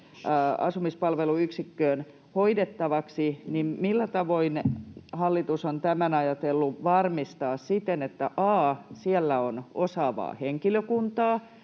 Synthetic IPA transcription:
ɑ̰sumispɑlʋeluyksikːøːn | hoidet̪ːɑʋɑksinimmilːæt̪ɑʋoinhɑlːit̪usont̪æmænɑjɑt̪elːuʋɑrmist̪ɑːssit̪enet̪ːæʔɑːsiɛlːæonosɑːʋɑ̰ːheŋkiløkunt̪ɑː

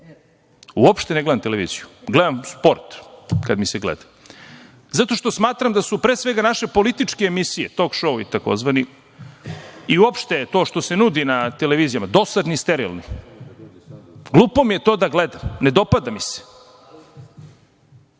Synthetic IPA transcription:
uopʃt̪eneɡle̞d̪amt̪eleʋḭːzijuɡled̪amspo̞ɾt̪kad̪miseɡlḛd̪ḁ | zat̪o̞ʃt̪osmaːt̪ɾamd̪asupɾeːsʋe̞ɡanaʃe̞po̞lit̪it͡ʂkeːmisijet̪o̞kʃouḭt̪ako̞̰zʋani | iuopʃt̪et̪o̞ːʃt̪osenud̪inat̪eleʋiːzijamad̪o̞sad̪nist̪eɾḭlni | ɡlˠuːpomijet̪o̞ːd̪aɡled̪amned̪o̞pad̪amise̥

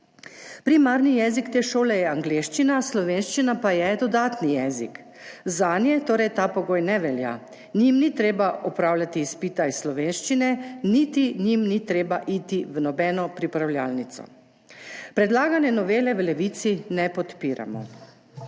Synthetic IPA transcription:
pɾimaɾnijɛzikt̪eːʃoːlɛjɛaŋɡleːʃt͡ʃinaslɔʋenʃt͡ʃinapajɛd̪ɔd̪aːt̪nijɛzḭk | zaːnjɛt̪oːɾɛjt̪aːpɔɡoːjnɛʋɛlja̰ | nimnit̪ɾeːbaɔpɾaːwlʲjat̪iːspiːt̪aisslɔʋeːnʃt͡ʃinɛnit̪iɲimnit̪ɾeːbaʔiːt̪iʋnɔbɛːnɔpɾipɾawlʲjaːlnit̪sɔ̰ | pɾɛd̪laːɡanjɛnɔʋeːlɛʋlɛʋit̪sinɛpɔt̪piːɾa̰mɔ̰

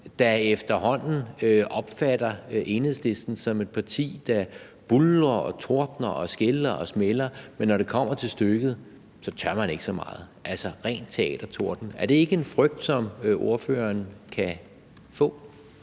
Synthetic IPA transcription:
d̥æefd̥ɐhɒ̽n̰n̩øʔɒ̽b̥fæɾ̥ɐe̝ːnhe̝̰sle̝sd̥n̩sɒ̽me̝d̥̚pʰɑ̈t͡sʰḭːd̥æ | b̥ulːɐɒt͡sʰo̝ɐd̥nɐɒsɡ̥elɐʔɒ̽smelɐmenːɒɾ̥e̝kʰɒ̽m̰ɐt͡sʰe̝lsd̥øɡ̥ð̩ˠ | sɒ̽t͡sʰɶɐmæne̝ɡ̥əsɒ̽mɑ̈ːð̩ˠʔælsɒʁɛ̰ːnt͡sʰe̝ɛ̰ːd̥ɐt͡sʰo̝ɐ̰d̥n̩æɐɾ̥e̝e̝ɡ̥əe̝nfʁœɡ̥̚d̥sɒ̽mʔo̝ɐfø̰ːɐnkʰæ | fɔ̰̽ː

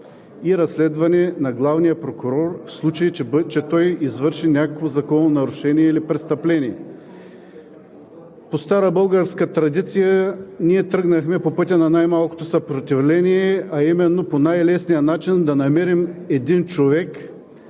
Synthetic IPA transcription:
iɾɐslɛd̪vɐnɛnɐɡlˠavnijəpɾokʊɾɔɾfslˠut͡ʃɐjit͡ʃɛt̪ɔjizvɤɾʃinʲakəkvozɐkɔnonɐɾʊʃɛniɛilipɾɛst̪ɐplɛnʲiɛ | post̪aɾəbɤlˠɡəɾskət̪ɾɐd̪it̪sijəniɛt̪ɾɤɡnɐxmɛpopɤt̪ʲənɐnajmalˠko̥t̪osɐpɾot̪ivlɛniɛɐimɛnːoponajlɛsnijənat͡ʃind̪ɐnɐmɛɾimɛd̪int͡ʃovɛk

